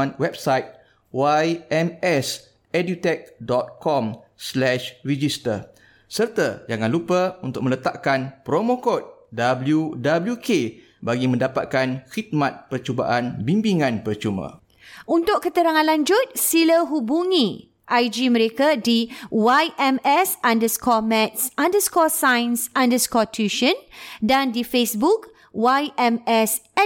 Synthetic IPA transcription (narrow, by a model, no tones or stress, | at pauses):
nwɛp̚sajt̪̚ | wajɛmɛs | ɛdut̪ɛk̚dɔt̪̚kɔmslɛʃrid͡ʒist̪ə | sərt̪ad͡ʒaŋãnlupəunt̪ʊk̚mə̃lət̪aʔkanpɾomõkot̪̚dabəljudabəljukʰe | baɡimə̃ndapa̰t̪̚kanxit̪̚mat̪̚pərt͡ʃuba̰ʔanbimbiŋãnpərt͡ʃumã̰ | unt̪ʊʔkkət̪əɾaŋãnlaɲd͡ʒʊt̪̚siləɦubuŋĩ | ʔajd͡ʒimə̃ɾekadiwajʔɛmɛsandəskɔmɛ̃t̪̚sãndəskɔsajnsãndəskɔtʰuʃə̃ndandifesbuk | wajɛmɛsɛ